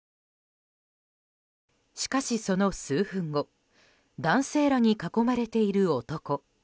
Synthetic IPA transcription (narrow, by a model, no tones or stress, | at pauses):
ɕi̥kaɕiso̞no̞sɨːɸɯ̟̃ŋɡo̞ | d̪ãɰ̃se̞ːɾaɲ̟ikako̞maɾe̞t̪e̞iɾɯ̟o̞t̪o̞ko̞